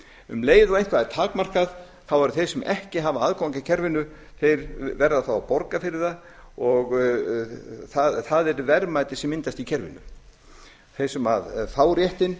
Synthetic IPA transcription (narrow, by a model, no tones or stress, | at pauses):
ʏ̰mleːjðɔẽjntkvaðɛɾt̪ʰaːkmar̥kað | θawvaɾʏθejsɛmʔɛ̰hcɪɦavaaðkawŋcacʰɛɾvɪnːʏ | θejɾvɛɾðaθawapɔɾkafɪɾɪɾða | ɔɣ | θaðθaðɛɾʏvɛɾmajt̪ɪsɛmɪnt̪ast̪icʰɛɾvɪ̰nʏ̰ | θejsɛmaðfaːwɾjɛht̪ɪn